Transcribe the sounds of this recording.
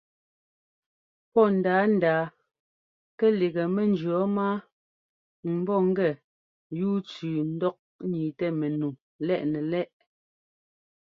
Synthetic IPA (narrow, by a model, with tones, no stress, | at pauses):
pɔ˦˨n̩˨daː˨˦n̩˨daː˨ | kɛ˦li˨ɣɛ˨mɛ˨nd͡ʒɰɔ˨˦maː˦ | m̩˨bɔ˦˨ŋ̩˦ɡɛ˨ | juː˦t͡sʉː˨n̩˦dɔ˦k̚ɲiː˨tɛ˦me˨nu˨ | lɛ˦˨ʔnɛ˨lɛ˦ʔ